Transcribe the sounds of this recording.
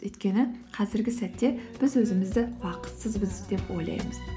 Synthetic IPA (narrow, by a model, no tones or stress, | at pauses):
ɵjt̪kʲe̞nɪqʰɑzɪɾɡʲɪsæt̪ːe̞b̥ɪzwɵzɪmɪzd̪ɪwɑqə̥t̪səzbɪzd̪e̞pwo̞̰jlˠɑ̰jməz̥